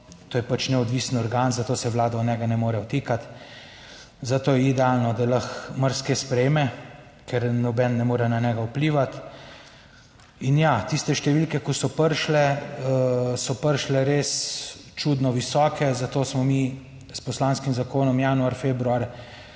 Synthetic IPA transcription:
t̪oːjɛpat͡ʃnɛɔd̪ʋisn̩ɔɾɡaːnzat̪oːsɛʋwlaːd̪aɔnɛːɡanɛmoːɾɛɔt̪eːkat̪ | zat̪oːjɛid̪ɛalnɔd̪alaxməɾskespɾɛjmɛ | kʰɛɾnɔbɛnːɛmoːɾɛnanɛːɡawpliːʋat̪ | injat̪ist̪ɛʃt̪ɛʋiːlkɛkɔsɔpəɾʃlɛ | sɔpəɾʃlɛɾeːst͡ʃud̪nɔʋisɔːkɛzat̪oːsmɔmi | spɔslaːnskimzakoːnɔmjaːnuaɾfeːbɾuaɾ

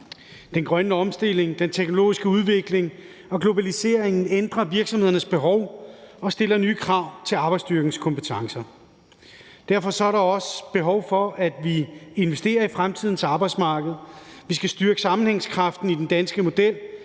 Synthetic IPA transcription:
d̥enɡ̥ʁɶnəɒ̽msd̥e̝l̰eŋd̥ent͡sʰeɡ̥no̝lo̝̰ːisɡ̥əuðˠʋe̝ɡ̥le̝ŋ | ɒ̽ɡ̥lo̝bælise̝̰ːɐeŋn̩end̥ʁɐʋiɐɡ̥sɒmhe̝ðˠɐnəsb̥e̝ɦɒʊɒ̽sd̥e̝l̰ɐny̰ːkʰʁɑ̈ʊ̰t͡sʰe̝lɑ̈ːb̥ɑ̈ɪdsd̥yɐɡ̥n̩skʰɒ̽mpət͡sʰɑ̈ŋsɐ | d̥æɐfɒ̽sɒ̽æɐɾɑ̈ɒ̽sb̥e̝ɦɒʊfɒ̽ʔæd̥ʋie̝nʋesd̥e̝̰ːɐifʁamt͡sʰið̞̰ˠn̩sɑ̈ːb̥ɑ̈ɪd̥smɑ̈ːɡ̥əð̞̩ˠ | ʋisɡ̥æsd̥yɐɡ̥əsɑ̈mn̩heŋskʰʁɑ̈fd̥n̩id̥end̥ænsɡ̥əmo̝d̥el̰

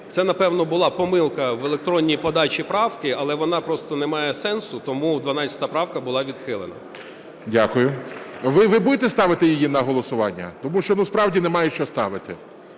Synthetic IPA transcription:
t̪sɛnɐpɛwnɔbʊlˠɑpɔmɪlˠkɐʋelˠek̚t̪ɾɔnʲːijpɔd̪ɑt͡ʃʲipɾɑwkɪɐlˠɛʋɔnɑpɾɔst̪ɔnɛmɑjɛsɛnsʊt̪ɔmud̪ʋɐnɑt͡sʲɐ̥t̪ɐpɾɑwkɐbʊlˠɑʋʲid̪xɪlˠenɐ̰ | dʲakʊjʊʋɪʋɪbud̪et̪ɛst̪ɑʋɪt̪ɪjɔjinɐɦɔlˠɔsʊʋɑnʲːɐ̰t̪ɔmuʃt͡ʃɔnuspɾɑwdʲinɛmɑjɛʃt͡ʃɔst̪ɑʋɪt̪ɪ

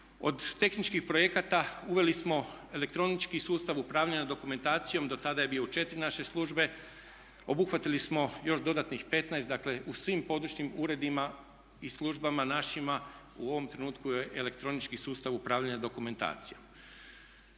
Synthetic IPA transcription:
o̞̰d̪ːe̞xnit͡ʃkixpɾo̞je̞kat̪auʋe̞lismo̞e̞le̞kt̪ɾo̞nit͡ʃkisuːst̪aʋupɾaːʋʎaɲad̪o̞kume̞nt̪aːt̪sijo̞md̪o̞t̪ad̪aje̞bijout͡ʃe̞t̪iɾinaʃe̞slˠuʒbe̞ | o̞buxʋat̪ilismo̞jo̞ʃd̪o̞d̪at̪nixpe̞t̪najst̪d̪akle̞usʋimpo̞d̪ɾuʃɲimuɾe̞d̪ima | islˠuːʒbamanaʃima | uo̞ʋo̞mt̪ɾenuːt̪kujeʔele̞k̚t̪ɾo̞nit͡ʃkisuːst̪aʋupɾaːʋʎaɲad̪o̞kume̞nt̪a̰ːt̪sijo̞m

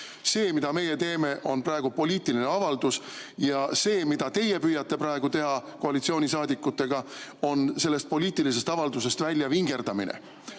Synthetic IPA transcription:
se̞ːmid̪̥ɑme̞jet̪e̞ːme̞ʔo̞nprɑe̞ɡ̥upo̞lʲiːt̪iline̞ɑvɑld̪usjɑse̞ːmid̪̥ɑt̪e̞jepyːjɑt̪ːe̞prɑe̞ɡ̥ut̪e̞ɦɑko̞ɑlit̪sio̞ːnʲisɑːd̪ikːˑut̪ːˑe̞ɡ̥ɑo̞nse̞lːest̪̚po̞lʲiːt̪ilis̬e̞st̪ɑvɑld̪use̞st̪vælʲjɑviŋɡ̥e̞rd̪̥ɑminʔḛ

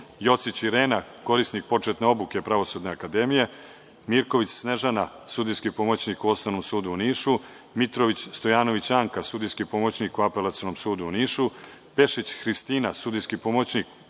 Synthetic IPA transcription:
jo̞t̪sit͡ɕiɾeːnako̞ɾisnik̚po̞t͡ʂe̞t̪ne̞o̞bukepɾaʋo̞sud̪neakad̪e̞mije̞ | miːɾko̞ʋit͡ɕsneʒana | sud̪ijskipo̞mo̞t͡ɕnikuo̞snoʋno̞msuːd̪uːniːʃu | mit̪ɾo̞ʋit͡ɕst̪o̞jaːno̞ʋit͡ɕaːŋkasud̪ijskipomo̞t͡ɕnikuape̞lat̪sio̞no̞msuːd̪uuniːʃu | pe̞ʃit͡ɕxɾist̪iːnasud̪ijskipo̞mo̞t͡ɕnik

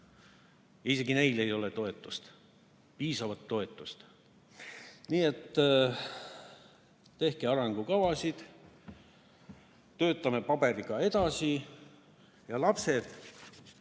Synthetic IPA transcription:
jɑise̞ɡ̥ine̞jle̞jo̞let̪o̞e̞t̪ːˑust̪ | piːsɑvɑt̪ːo̞e̞t̪ːˑust̪ | niːe̞t̪ː | t̪e̞hkeɑɾɑŋɡ̥ukɑvɑsid̪̥ | t̪ø̞ːt̪ːˑɑme̞pɑb̥e̞ɾiɡ̥ɑe̞d̪̥ɑsi | jɑlɑpse̞d̪̥

